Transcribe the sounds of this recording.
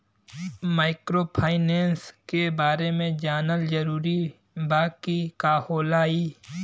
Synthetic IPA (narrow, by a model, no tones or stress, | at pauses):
maːɪkɾoːpʰaːɪneːnskebaːɾemẽd͡ʒaːnəld͡ʒəɾuːɾi | baːkikaːhoːlaːiː